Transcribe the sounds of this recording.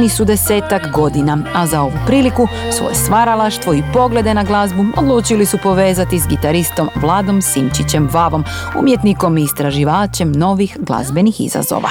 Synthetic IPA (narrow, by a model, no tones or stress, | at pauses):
nisud̪e̞se̞ːt̪akɡo̞d̪inaazao̞ʋupɾiːliku | sʋo̰je̞st̪ʋaɾalaʃt̪ʋo̞ipo̞ɡle̞d̪e̞naɡlˠazbuod̪lˠuːt͡ʃilisupo̞ʋe̞ːzat̪izɡit̪aɾist̪o̞mʋlˠaːd̪o̞msimt͡ʃit͡ɕe̞mʋaʋo̞m | ṵmjet̪niko̞miːst̪ɾaʒiʋaːt͡ɕe̞mno̞ʋixɡlˠa̰zbe̞nixḭza̰zo̰ʋa̰